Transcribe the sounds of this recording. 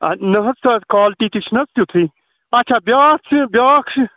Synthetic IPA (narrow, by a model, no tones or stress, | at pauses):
ɐ̰nɐɦɐt͡s̪ʰɐkaːlʈit̪it͡ʃʰnɐt͡st̪jut̪ʰiː | ɐt͡ʃʰaːbjaːt͡sʰɨbʲjaːkʂ